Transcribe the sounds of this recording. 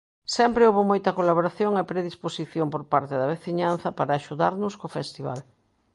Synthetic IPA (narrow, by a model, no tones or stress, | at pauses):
sɛmpɾeoβomojt̪ɐkolaβoɾaθjoŋepɾeðisposiθjompoɾpaɾt̪eðɐβeθiɲan̟θɐpaɾɐaːʃuðaɾnʊskofɛst̪iβa̰l